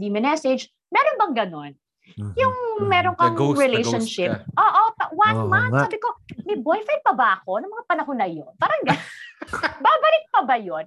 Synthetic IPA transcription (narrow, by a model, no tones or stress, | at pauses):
d̪imɪnɛsɛd͡ʒ | mɛːɾonbɐŋɡɐno̞n | jʊŋmɛːɾonkɐŋɹɪlejʃɐnʃɪpʔoːʔopwɐnmant̪saːbɪko̞mɐbojfɛnpɐbaʔɐko̞nɐŋmɐŋapɐnɐhonɐjonbɐɾɐŋɡa | baːbɐlɪk̚pɐbɐjon